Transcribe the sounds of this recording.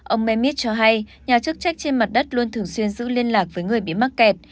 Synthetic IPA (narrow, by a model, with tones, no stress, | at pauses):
ʔə˧wŋ͡mmɛ˧mi˦˥t̚t͡ɕɔ˧ɦa˧jɲaː˨˩t͡ɕɨ˦˥k̚t͡ɕa˦˥jk̟̚t͡ɕe˧nma˨˩t̚ɗə˦˥t̚lu˧ənt̪ʰɨ˨˩əŋswi˧ənzɨ̰˧˥li˧ənlaː˨˩k̚vəː˨˦jŋɨ˨˩əjɓḭ˧˨ma˦˥k̚kɛ˨˩t̚